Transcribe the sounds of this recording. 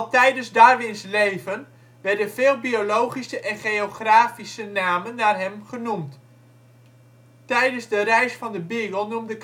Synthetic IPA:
tɛjdənzdaːrʋɪnslejvən | ʋɛrdənvɪːlˠbiolowχisəʔɛnχejoχraːfisənaːmənːarɦɛmχənumt | tɛjdənzdərɛjsfɑndəbiɡəlˠnumdək

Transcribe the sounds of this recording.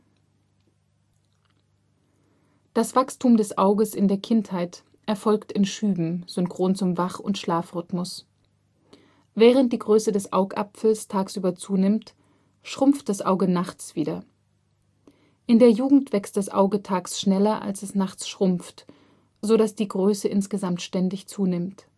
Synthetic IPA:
d̥asv̥akstʰuːmdɛsʔaʊɡəsɪndeːɐkʰɪnthaɪt | ʔɛɐfɔlktɪnʃyːbm̩z̥ʏnkʁ̥oːnt͡sʊmvaχʊ̰ntʃlaːfʁʏtmʊs | vɛːʁ̞ənt̚d̥iːɡʁøːsədɛsʔa̰ʊkʔa̰pfl̩stʰaːksʔyːbɐt͡suːnɪmt | ʃʁ̥ʊmft̚d̥asʔaʊɡənaχt͡sv̥iːdɐ | ʔɪndeːɐjuːɡŋ̩tv̥ɛkst̚d̥asʔa̰ʊɡətʰaːksʃnɛlɐʔa̰lsɛsnaχt͡sʃʁ̥ʊmft | z̥oɾasd̥iːɡʁøːsəʔɪnsɡ̥əzamtʃtɛndɪçt͡suːnɪmt

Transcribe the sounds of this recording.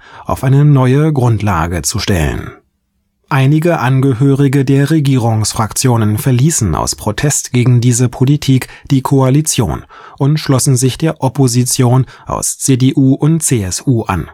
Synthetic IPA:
ʔaʊfʔaɪnənɔʏəɡʁʊntla̰ːɡət͡suʃtɛ̰lə̰n | ʔaɪnɪɡəʔanɡəɦøːʁɪɡədeːɐʁeɡiːʁ̞ʊŋsfʁ̥akt͡sjoːnənfɛɐliːsn̩a̰ʊspʁ̥otʰɛstɡ̥eːɡŋ̩diːzəpʰolitʰiːkd̥iːkʰoalit͡sjo̰ːn | ʔʊntʃlɔsn̩zɪçd̥eːɐʔɔpʰozit͡sjoːnʔa̰ʊst͡sedeːʔuːʔʊntt͡seːɛsʔuːʔa̰n

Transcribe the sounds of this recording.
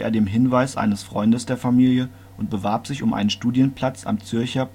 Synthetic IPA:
ʔḛːɐdeːmɦɪnvaɪsʔa̰ɪnəsfʁ̥ɔ̰ʏndəsd̥eːɐfamiːljə | ʔʊnt̚b̥əvaɐpz̥ɪçʊmʔa̰ɪnənʃtuːdjənpʰl̥at͡sa̰mt͡sʏɐçɐ

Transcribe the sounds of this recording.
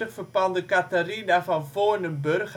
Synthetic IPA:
əχfərpɑndəkatarinafɑnfoːnənbørχ

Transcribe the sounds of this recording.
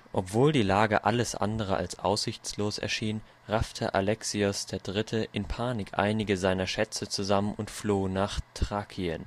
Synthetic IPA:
ʔɔpv̥oːldiːlaːɡə̰ʔa̰ləsʔa̰ndəʁ̞əʔa̰lsʔa̰ʊsz̥ɪçt͡sloːsɛ̰ɐʃiːn | ʁaftʰə̰ʔalɛksiʊsd̥eːɐdʁɪtʰəʔɪnpʰaːnɪkʔa̰ɪnɪɡəzaɪnɐʃɛt͡sət͡suzamənʔʊntfloːnaːχtʁ̥aːkʰiən

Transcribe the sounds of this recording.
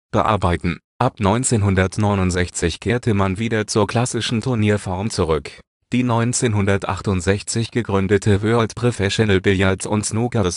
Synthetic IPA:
b̥əʔa̰ɐbaɪtn̩ʔapnɔʏnt͡seːnɦʊndɐtnɔʏnʊntz̥ɛçt͡sɪçkʰeːɐtʰəmanviːdɐt͡suːɐkʰl̥asɪʃn̩tʰʊɐniːɐfɔɐmt͡suʁʏk | d̥iːnɔʏnt͡seːnɦʊndɐtʔa̰χtʊntz̥ɛçt͡sɪçɡ̥əɡʁʏndətʰəvøɔltpʁ̥ofɛʃonɛlbɪljaɐtʊ̰ntsnuːɡas

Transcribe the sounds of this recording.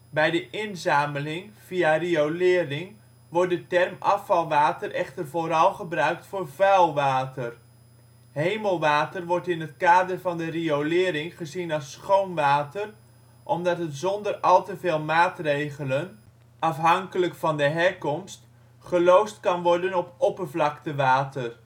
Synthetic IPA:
bɛjdəʔɪnzaːməlɪŋv̥iariowlɪːrɪŋ | ʋɔɹt̚dətɛrmʔɑ̰fɑlˠʋaːtəɾʔɛχtərvoːɾɑlˠχəbrœɥk̚tfʊːɹvɛlˠʋaːtər | ɦejməlˠʋaːtərʋɔɹtɪnətkaːdərvɑndəriolɪːɾɪŋχəzinɑlˠsχownʋaːtər | ʔɔmdɑtətzɔndərɑlˠtəvɪːlˠmaːtrejχələn | ʔɑfɦɑŋkələkfɑndəɦɛɹkɔmst | χəlowstkɑnʋɔrdənɔpɔpərvlɑktəʋaːtər

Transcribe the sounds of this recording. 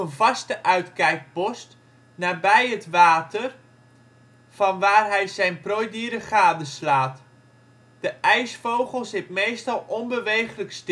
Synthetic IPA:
ənvɑstəʔœɥtkɛjk̚pɔst | naːbɛjətʋaːtər | fɑnʋaːrɦɛjzɛjnprojdiːɾəχaːdəslaːt | d̥əʔɛjsfowχəlˠsɪtmejstɑlˠɔnbəʋejχələkst

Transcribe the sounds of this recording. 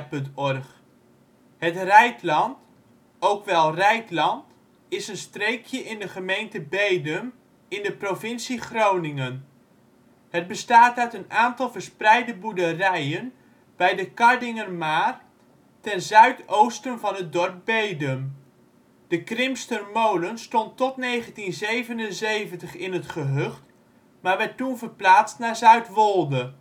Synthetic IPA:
pɵntɔrχ | ɦətrɛjtlɑnt | owkʋɛlˠrɛjtlɑnt | ɪsənstrejkʰjəʔɪndəχəmejntəbejdəm | ɪndəprovɪnsiχrownɪŋən | həd̚bəstaːtœɥtənaːntɑlˠvərsprɛjdəbudərɛjən | b̥ɛjdəkɑɹdɪŋərmaːr | tɛnzœɥtowstənvɑnɦət̚dɔɹp̚bejdəm | d̥əkrɪmstərmowlənstɔntɔtnejχəntinzejvənənzejvəntəχɪnɦətχəɦøχt | maːɹʋɛtːunvəɹplaːtstnaːɹzœɥtʋɔlˠdə

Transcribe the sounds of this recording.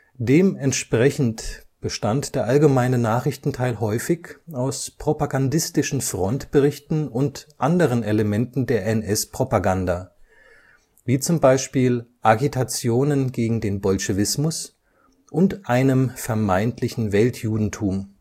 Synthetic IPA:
d̥eːmɛntʃpʁ̥ɛçn̩tb̥əʃtantd̥eːɐʔalɡəmaɪnənaːχɪçtn̩tʰaɪlhɔʏfɪçaʊspʁ̥opaɡandɪstɪʃn̩fʁ̥ɔntb̥əʁɪçtn̩ʊntʔandəʁ̞əneləmɛntn̩deːɐɛnʔɛspʁ̥opaɡanda | viːt͡sʊmbaɪʃpiːlʔaɡitʰat͡sjoːnənɡeːɡŋ̩deːnbɔlʃəvɪsmʊs | ʔʊntʔaɪnəmfɛɐmaɪntʰlɪçn̩vɛltʰjuːdn̩tʰuːm

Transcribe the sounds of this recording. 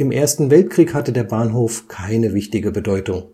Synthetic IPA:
ɪmʔeːɐstn̩vɛlt̚kʁ̥iːkhatədeːɐbaːnɦoːfkʰaɪnəvɪçtɪɡəbədɔʏtʊŋ

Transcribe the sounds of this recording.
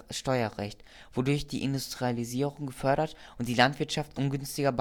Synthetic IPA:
ʃtɔʏɐʁɛ̰çt | v̥odʊɐçd̥iːʔɪndustʁ̥ializiːʁʊŋɡəfœɐɾɐt | ʔʊntd̥iːlantv̥ɪɐtʃaftʔʊnɡʏnstɪɡɐb

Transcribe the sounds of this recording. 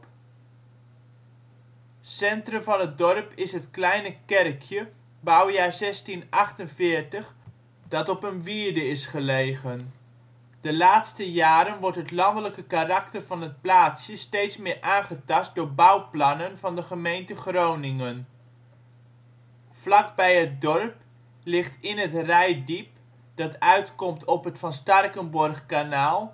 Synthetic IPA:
sɛntrəmvɑnɦət̚dɔrpɪsɦətklɛjnəkɛrkʰjə | bawjaːɹzɛstinɑχtənvɪːɹtəχ | dɑtɔpənʋiːɹdəɪsχəlejχən | d̥əlaːtstəjaːɾənʋɔɹtɦətlɑndələkəkarɑktərvɑnɦət̚plaːtsjəstejtsmɪːɹʔaːnχətɑst̚dʊːɹbawplɑnənvɑndəχəmejntəχrownɪŋən | flɑkbɛjət̚dɔrp | lɪχtɪnɦətrɛjdip̚ | d̥ɑtœɥtkɔmtʰɔpɦətfɑnstɑrkənbɔrχkanaːlˠ

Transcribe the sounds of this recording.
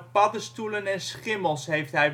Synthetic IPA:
pɑdəstulənɛnsχɪməlˠsɦejftɦɛj

